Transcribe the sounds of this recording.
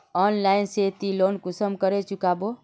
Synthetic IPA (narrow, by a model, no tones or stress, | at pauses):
ɔnlajnset̪ilonkusəmkəɾet͡ʃukabo